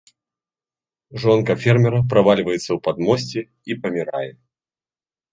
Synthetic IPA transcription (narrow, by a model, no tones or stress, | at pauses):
ʐɔnkɐfʲɛrmʲɛɾɐpɾavalʲvɐjɛt̪sːɐwpad̪mɔsʲt͡sʲɛ | ipɐmʲiɾa̰jɛ